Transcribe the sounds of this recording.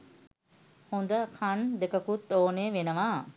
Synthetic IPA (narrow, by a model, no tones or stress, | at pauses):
hond̪əkʰand̪ekəkut̪ːoːneːʋenəʋaː